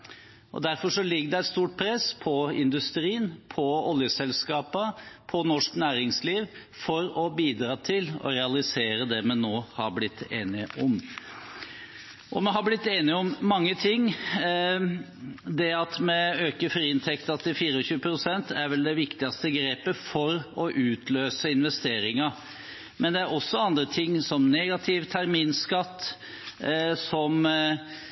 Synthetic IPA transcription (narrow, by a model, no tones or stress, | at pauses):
ʔɔ̰d̪æɾfɔʂɔlɪɡːəd̪ɛæɪt̪st̪uːʈ̚pʰɾɛspʰɔɪnd̪ʉst̪ɾiːənpʰɔɔljəsɛlskɑːpəpʰɔnɔʂknæːɾɪŋsliːʋ | fɔɾɔbiːd̪ɾɑːt̪ʰɪlɔ̰ɾɛɑlɪseːɾəd̪ɛmɛnːoːhɑɾblɪt̪ːeːnɪʔʊm | ʔɔmɛɦɑblɪt̪ːeːnɪɔmːɑŋːət̪ʰɪŋː | d̪ɛɑt̪mɛøːkəɾfɔɾiɪnt̪ʰɛkt̪ɑt̪ːɪfiːɾəɔɕʉːəpʰɾʊsɛnt̪æɾʋɛld̪ɛʋɪkt̪ɪɑst̪əɡɾeːpəfɔɾɔʔʉːt̪ʰløːsəɪnʋɛst̪eːɾɪŋɑ | mɛnd̪ɛæɾɔsːɔɑnd̪ɾət̪ʰɪŋːsɔmneːɡɑt̪ʰɪʋt̪ʰæɾmiːnskɑt̪ː | sɔm